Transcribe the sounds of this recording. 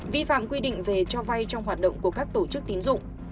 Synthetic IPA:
vi˧fa̰ː˧˨mkwi˧ɗḭ˧˨ŋ̟ve˨˩t͡ɕɔ˧va˧jt͡ɕɔ˧wŋ͡mɦwaː˨˩t̚ɗə̰˧˨wŋ͡mku˧˩əkaː˦˥k̚t̪o˧˩t͡ɕɨ˦˥k̚t̪i˨˦nzʊ̰˧˨ŋ͡m

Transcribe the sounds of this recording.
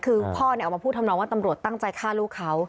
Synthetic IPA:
kʰɯː˧pʰɔː˥˩n˧˨˧wmaː˧pʰuː˥˩t̪̚ʰa˧mnɔ˧ŋwa˥˩t̪a˧mɾu˨˩ət̪ːa˥˩ŋt͡ɕa˧jkʰaː˥˩luː˥˩kʰːa˦˥w

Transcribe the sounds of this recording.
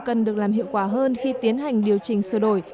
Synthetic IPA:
kə˨˩nɗɨ˨˩ək̚laː˨˩mhḭ˧˨əwkwaː˧˩ɦəː˧nxi˧t̪i˨˦ənɦa˨˩jŋ̟ɗi˨˩əwt͡ɕï˨˩ŋ̟sɨ˧˩ɗo˧˩j

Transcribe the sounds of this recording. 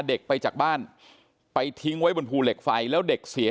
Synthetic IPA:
de˨˩k̚pa˧jt͡ɕaː˨˩k̚baː˥˩n | pa˧jt̪ʰi˦˥ŋwa˦˥jbo˧npʰuː˧le˨˩k̚fa˧jlɛː˦˥wde˨˩k̚si˨˩˦

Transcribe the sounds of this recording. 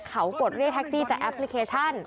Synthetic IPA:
kʰa˦˥wpoː˨˩t̪̚ɾi˥˩ək̪̚ʰɛ˦˥k̚siː˥˩t͡ɕaː˨˩k̚ʔɛ˦˥pʰli˧˦˥kʰeː˧t͡ɕʰa˥˩n

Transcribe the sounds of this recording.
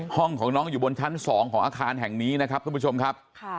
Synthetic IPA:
hɔ˥˩ŋkʰɔː˩˦ŋnɔː˦˥ŋjuː˨˩bo˧nt͡ɕʰa˦˥nsɔː˩˦ŋkʰɔː˩˦ʔaː˧kʰaː˧nɦɛ˨˩ŋniː˦˥na˦˥kʰa˦˥p̚kʰu˧˩pʰu˥t͡ɕʰo˧mkʰa˦˥p̚

